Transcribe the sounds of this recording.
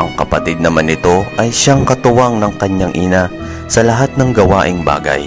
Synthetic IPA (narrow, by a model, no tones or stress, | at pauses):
ʔɐŋkɐpɐt̪ɪd̪̚nɐmanːɪt̪o̞ʔɐjʃaŋkɐt̪ʊwaŋnɐŋkɐɲːaŋʔɪna | sɐlɐɦat̪̚nɐŋɡɐwa̰ːʔɪŋba̰ːɡɐ̰j